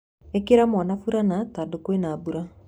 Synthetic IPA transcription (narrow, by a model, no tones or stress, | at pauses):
ekeɾamwɔnafuɾanatadokowenaːbuɾa